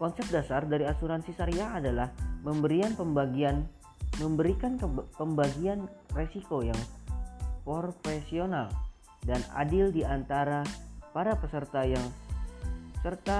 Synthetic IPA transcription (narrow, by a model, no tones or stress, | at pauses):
kɔnsɛp̚dasardaɾiasuɾansisaɾiaːdalahməmbəɾianpəmbaɡian | məmbəɾikanpəmbaɡianresikojaŋ | pofesional | dana̰dɪldiant̪aɾapaɾapəsərt̪ajaŋ | sərt̪a